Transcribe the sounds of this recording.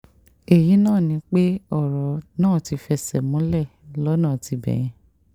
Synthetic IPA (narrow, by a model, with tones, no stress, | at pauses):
e˨ji˨˦nãː˦˨nĩ˧˦k͡pe˦ɔ˦˨ɾɔ˨nãː˦˨ti˧fɛ˧sɛ˨mũ˨˦lɛ˦˨lɔ˦nãː˦˨ti˧bɛ̰˨j̃ɛ̃˨˦